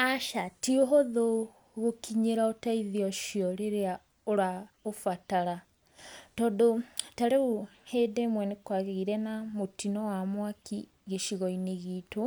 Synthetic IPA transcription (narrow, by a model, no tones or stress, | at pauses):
aʃatioɦoðo | ɣokiɲeɾaotaiðiɔʃiɔɾeɾea | oɾaofataɾa | tɔːndotaɾeoheːdɛmwɛnekwaɣeɣiɾɛnamotinɔwamwaki | ɣeʃiɣɔineɣiːto